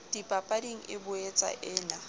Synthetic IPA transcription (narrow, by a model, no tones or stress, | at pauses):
dipʼapʼadiŋ̩ʔɪbʊet͡sʼa̰ʔɪːna